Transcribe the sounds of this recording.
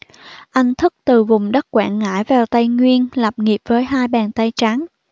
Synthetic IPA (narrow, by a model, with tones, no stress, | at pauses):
ʔa˧jŋ̟t̪ʰɨ˦˥k̚t̪ɨ˨˩vʊ˨˩ŋ͡mɗə˦˥t̚kwaː˧˨nŋa̰ː˧˥jvaː˨˩wt̪a˧jŋwi˧ənla˨˩p̚ŋi˨˩əp̚vəː˨˦jɦaː˧jɓaː˨˩nt̪a˧jt͡ɕa˨˦n